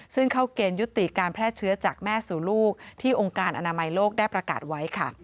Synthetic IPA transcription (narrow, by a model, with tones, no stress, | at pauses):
sɯ˥˩ŋkʰa˦˥˩wkeː˧nju˦˥t̪ːi˨˩kaː˧npʰɾɛː˥˩t͡ɕʰɯ˦˥ɐt͡ɕaː˨˩k̚mɛː˥˩suː˨˩˦luː˥˩k̚t̪ʰiː˥˩ʔo˧ŋkaː˧nʔa˧naː˧ma˧jloː˥˩k̚daː˥˩jpɾa˧ka̰ː˨˩t̪̚wa˦˥jkʰa˥˩